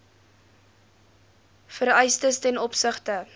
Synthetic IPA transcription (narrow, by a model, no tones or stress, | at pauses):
fəɾœjstəstɛnɔpsəχtə